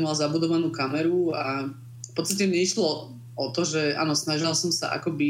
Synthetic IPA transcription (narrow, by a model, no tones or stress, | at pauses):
malzabud̪ɔʋanuːkamɛɾua | fpɔt̪t͡st̪acɛmɲɛiʃlɔ | ɔt̪ɔʒɛa̰ːnɔsnaʒilsɔmsa̰ʔa̰kɔbi